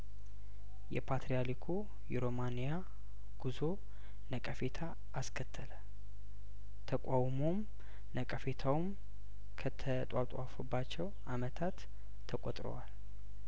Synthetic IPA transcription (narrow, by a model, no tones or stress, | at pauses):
jɛpʰat̪ʰɾijalikʰo | jɛɾo̞manija | ɡ̥uzo̞ | nəkʼəfe̞t̪ʰa | ʔːskʰət̪ʰːələ | t̪ʰəkʷʼawmo̞m | nəkʼəfe̞t̪ʰawum | kʰət̪ʰət̪ʼat̪ʼwafubːat͡ʃːɛw | amət̪ʰat̪ʰː | əkʼot̪ʼɾo̰wal